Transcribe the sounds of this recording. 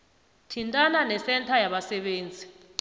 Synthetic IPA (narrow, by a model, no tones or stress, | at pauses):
tʰintʼananɛsɛntʰajaɓasɛɓeːnd͡zʱi